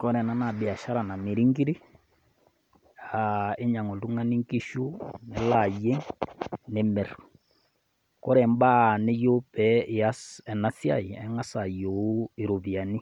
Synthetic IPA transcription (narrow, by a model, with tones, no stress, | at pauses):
kɔ˦ɾɛ˨na˦na˨be˨a˨ʃa˦ɾa˨na˨mi˨ɾi˦ŋɡi˦ɾi˦ | a˨e˦ɲa˨ŋo˨tu˦ŋa˦ni˦ŋki˦ʃu˦nɛ˨la˨je˦ŋne˨mɛ˨ɾɔ˨ | kɔ˦ɾɛ˨mba˦˨ne˦jo˦pɛ˨a˦sɛ˨na˦θja̰˦˨i˨ɛ˦ŋa˦sa˨jo˨˦e˨ɾo˨βi˨a˨ni˦